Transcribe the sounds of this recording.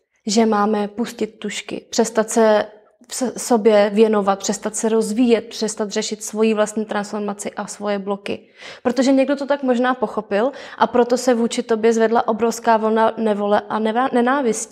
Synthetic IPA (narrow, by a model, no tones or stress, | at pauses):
ʒɛmaːmɛpuscɪt̪̚ːuʃkɪ̰pr̥ɛst̪at̪sɛ | fsso̞bjɛvjɛno̞vat̪̚pr̥ɛst̪at̪sɛɾo̞zviːjɛt̪̚pr̥ɛst̪at̪r̥ɛʃɪt̪svo̞jiːvlast̪ɲiːt̪ɾansfo̞ɾmat͡sɪʔasvo̞jɛblo̞kɪ̰ | pɾot̪o̞ʒɛɲɛɡdot̪ot̪akmo̞ʒnaːpo̞xo̞pɪlʔapɾo̞t̪o̞sɛvuːt͡ʃɪt̪o̞bjɛzvɛdlaʔo̞bɾofskaːvl̩nanɛvo̞lɛʔanɛnɛnaːvɪsci